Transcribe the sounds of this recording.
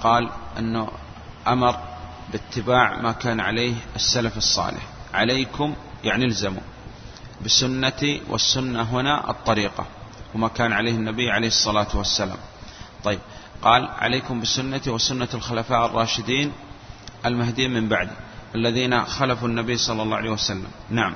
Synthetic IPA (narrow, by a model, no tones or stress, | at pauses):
qɑːlʔɪ̰nːʊ | ʔamɑɾˤ | bɪt̪ːɪbaːʕmakaːnʕa̰leːhʔɪsːalafɨsˤːɑ̰ːlɪ̰ħʕalejkʊmjaʕnilzamṵː | bɪsʊnːat̪iwʔɪ̰sːʊnːaɦʊnaʔɨ̰t̪ˤːɑɾiːqɑ̰wɪmakaːnʕaleːhɪnːabijːʕalejhɨsˤːɑlaːt̪wasːala̰ːmt̪ˤɑjːɪb̚qɑːlʕa̰leːkʊmbɪsʊnːat̪iwɪsʊnːalxʊlafaːʔrˤːɑːʃɪd̪iːn | ʔalmaɦd̪iːmɪmbaʕd̪ɪʔalːaðiːnaxalafunːabiːsˤɑlːɑlːɑːʕaleːjwasalːa̰mnaʕam